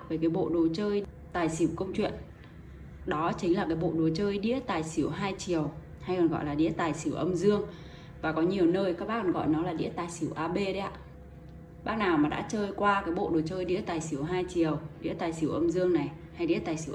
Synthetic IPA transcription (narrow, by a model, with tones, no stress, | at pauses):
kve˨˩kaː˨˦jɓo̰˧˨ɗo˨˩t͡ɕəː˧j | t̪aː˨˩jsi˧˩əwkə˧wŋ͡mt͡ɕwḭ˧˨ən | ɗɔ˨˦t͡ɕï˨˦ŋ̟laː˨˩kaː˨˦jɓo̰˧˨ɗo˨˩t͡ɕəː˧jɗḭ˧˥ət̪aː˨˩jsi˨˧˩əwɦaː˧jt͡ɕi˨˩əw | ha˧jkɔ˨˩nɣɔ̰˧˨jlaː˨˩ɗḭ˧˥ət̪aː˨˩jsi˧˩əwʔə˧mzɨ˧əŋ | vaː˨˩kɔ˨˦ɲi˨˩ə˩wnəː˧jka˦k̚ɓaː˦˥ɔ˨˩nɣɔ̰˧˨jnɔ˨˦laː˨˩ɗḭ˧˥ət̪aː˨˩jsi˧˩əwʔaː˧ɓe˧ɗə˧˦jʔa̰ː˧˨ | ɓaː˦˥naː˨˩wmaː˨˩ɗa̰ː˧˥t͡ɕəː˧jkwaː˧kaː˨˦jɓo̰˧˨ɗo˨˩t͡ɕəː˧jɗḭ˧˥ət̪aː˨˩jsi˨˧˩əwɦaː˧jt͡ɕi˨˩əwɗḭ˧˥ət̪aː˨˩jsi˨˧˩əwʔə˧mzɨ˧əŋna˨˩j | ha˧jɗḭ˧˥ət̪aː˨˩jsi˧˩